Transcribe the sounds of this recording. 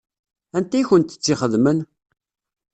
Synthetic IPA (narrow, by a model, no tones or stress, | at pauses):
ænt̪æjçənt̪ə̥t͡sːiχəðmən